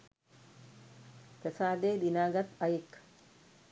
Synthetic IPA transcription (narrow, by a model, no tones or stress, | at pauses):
t̪ɛsaːd̪eːd̪ɪnaːɡɐt̪ɐjɪkːɐ̥